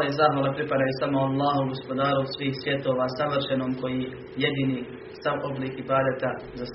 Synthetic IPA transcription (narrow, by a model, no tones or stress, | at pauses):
izaɦʋalepɾipad̪ajusamoalˠːaːɦouɡo̞spo̞d̪aːɾosʋiːxsʋje̞t̪o̞ːʋaːsaʋrʃenoːmko̞ji | jed̪iːni | saʔo̞bliːkibaːd̪at̪a | zas